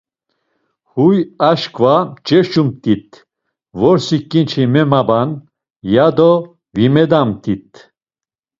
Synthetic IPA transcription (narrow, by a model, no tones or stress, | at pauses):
hujaʃkʰʼvat͡ʃɛʃumt̪ʼit̪̚ʰ | vɔɾsikʼːint͡ʃʰimɛmaban | jad̪ɔ | vimɛd̪amt̪ʼit̪ʰ